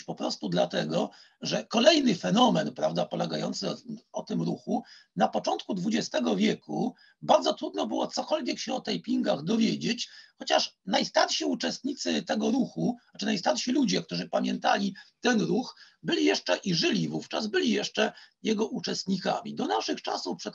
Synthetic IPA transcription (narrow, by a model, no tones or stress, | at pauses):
pɔpɾɔst̪ud̪lat̪ɛɡɔ | ʐɛkɔlɛjnɘfɛnɔmɛnpɾavd̪apɔlɛɡajɔnt̪sɘɔt̪ɘmɾuxunapɔt͡ʂɔnt̪kud̪vud͡ʑɛst̪ɛɡɔvʲjɛkṵ | baɾd̪zɔt̪ɾud̪nɔbɘwɔt̪sɔkɔlvʲjɛkɕɛɔt̪ajpʲiŋɡaɣd̪ɔvʲjed͡ʑet͡ɕxɔt͡ɕaʂnajst̪aɾɕiut͡ʂɛst̪ɲit̪sɘt̪ɛɡɔɾuxuat͡ʂɘnajst̪aɾɕilud͡ʑɛk̚t̪uʐɘpamʲjɛnt̪a̰lʲit̪ɛnɾuxbɘlʲijɛʂt͡ʂɛʔiʐɘlʲivuft͡ʂa̰zbɘlʲijɛʂt͡ʂɛjɛɡɔʔut͡ʂɛst̪ɲika̰mʲḭd̪ɔnaʂɘxt͡ʂa̰sufpʂɛ